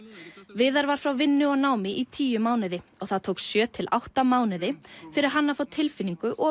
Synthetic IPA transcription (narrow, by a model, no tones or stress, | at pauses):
vɪːðaɾvaɾ̥fɾawvɪnːʏɔɣnaːwmɪʔit̪ʰiːjʏmaːwnɪðɪɔɣθaðt̪ʰowksjœːt̪ʰɪla̰wht̪amaːwnɪðɪfɪɾɪɾ̥ɦanːafawt̪ʰɪlfɪnːiŋkʏʔɔ